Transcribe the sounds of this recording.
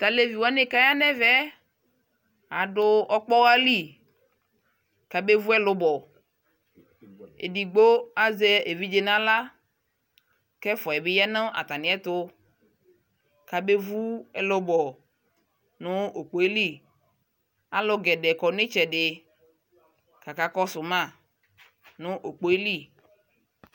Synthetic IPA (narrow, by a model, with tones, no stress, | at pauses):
t̪a˨le˦vi˨wa˦ne˦ka˦ja˦nɛ̃˦vɛ˦ | a˨ɖo˦ɔ˦k͡pɔ˦wa˦li˦˨ | ka˨be˦vu˦ɛ˦lo˦bɔ˨ | ḛ˨di˨ɡ͡bo˦a˦ze˦e˨vi˦d͡ʒe˨nã˦la˦ | kɛ˦fɔ˨ɛ˨be˦ja˦nə̃˦ʔa̰˨t̪a˨nĩ˨ɛ˦t̪o˦ | ka˨be˦vu˦ɛ˦lo˦bɔ˨ | nʊ̃˦o˨k͡po˨˦e˦li˦˨ | a˦lo˦ɡɛ˨ɖɛ˨kɔ˨nẽ˦t͡ʃɛ˨ɖe˨ | ka˨ka˦kɔ˦sʊ˨mã˦˨ | nʊ̃˦ʔo˨k͡po˦e˦li˦˨